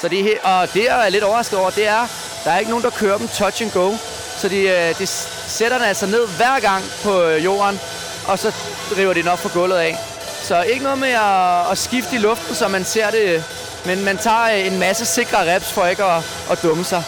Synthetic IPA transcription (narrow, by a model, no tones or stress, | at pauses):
sɒ̽d̥eheʔɒ̽d̥e̝æɐle̝ɾɒʊɐʁɑ̈sɡ̥ð̩ˠɒ̰ʊ̰ɐd̥e̝æɐ | d̥ɑ̈æɐe̝ɡ̥əno̝ːn̩d̥ɑ̈kʰøːɐd̥em̩t͡sʰɒ̥̽ɕeŋɡ̥ɔʊ | sɒ̽d̥ed̥e | seɾ̥ɐd̥enæl̰sɑ̈ɪne̝ð̞̰ˠʋæɐ̰ɡ̥ɑ̈ŋ̰pʰɒ̽jo̝̰ːɐn | ʔɒ̽sɒ̽ | ʁiʊɐɾ̥ed̥enɒ̽b̥̚fʰɒ̽ɡ̥ɔ̽l̰ð̞̩ˠɛ | sɒ̽e̝ɡ̥ənɔ̽ð̩ˠmeɒːsɡ̥ifd̥əilɔ̽fd̥n̩sɒ̽mænse̝ɐ̰ɾ̥e̝ | menmænt͡sʰɑ̰̈ːe̝nmæsəse̝ɡ̥ʁɐʁɛb̥sfɒ̽eɡ̥ | ʔːd̥ɔ̽məsɑ̈ɪ